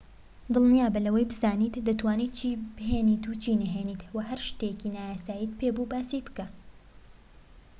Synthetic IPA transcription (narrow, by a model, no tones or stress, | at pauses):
d̪ɨlˠnijaːbɐlɐwɐjbɨzaːniːt̪d̪ɐt̪waːniːt̪̚t͡ʃʰibɨɦeːniːt̪ut͡ʃʰiːnɐɦeːniːt̪wɐɦɐɾʃt̪ecinaːjaːsaːjiːt̪̚pʰeːbubaːsijbɨ̥ka